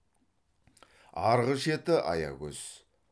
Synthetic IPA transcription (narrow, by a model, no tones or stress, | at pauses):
ɑɾʁəʃet̪ɪʔɑ̰jɑ̰ɡʲɵz̥